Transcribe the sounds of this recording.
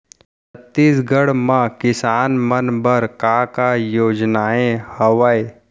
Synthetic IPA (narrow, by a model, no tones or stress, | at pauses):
ɐt̪ːiːsɡəɽmãkɪsaːnmənbəɾkaːkajoːd͡ʒnaːẽhɐʋəe